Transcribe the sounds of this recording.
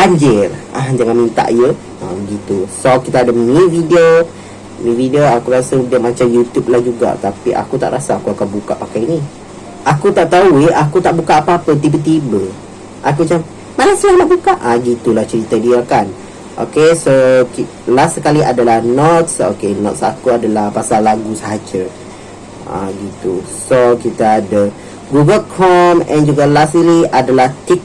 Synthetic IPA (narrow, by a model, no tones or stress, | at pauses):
baɲd͡ʒɪlʔahd͡ʒaŋanmint̪a̰ʔjə | abəɡit̪usokit̪aːdəmmividio | mĩvidioakuɾasəudahmat͡ʃamjut̪jub̚lahd͡ʒuɡa̰ʔt̪apiʔa̰kut̪a̰ʔɾasaːkuakanbuka̰ʔpakajini | ʔakut̪aʔt̪auiakut̪aʔbukaʔːpaapət̪̬ibət̪ibə | ʔakut͡ʃam | manasəlahlaʔbukaʔaɡit̪ulaht͡ʃəɾit̪adiakan | ʔo̰kesoki | lasəkaliʔadalahnɔt̪̚so̰kenɔ̰t̪sakuadalahpasalːaɡusəɦad͡ʒa | a̰ɡit̪usokit̪aːda | ɡuɡəlkʰɔmɛ̃nd͡ʒuɡalasiliadalaht̪ik̚